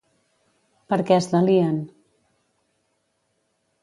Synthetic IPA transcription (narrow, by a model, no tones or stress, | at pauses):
pəɾkɛəzðəliən